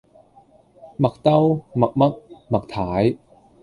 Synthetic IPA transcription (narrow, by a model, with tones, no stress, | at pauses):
mɐ˨˩k̚t̪ɐ˥wmɐ˨˩k̚mɐ˦˥k̚mɐ˨˩k̚t̪ʰaː˨˥j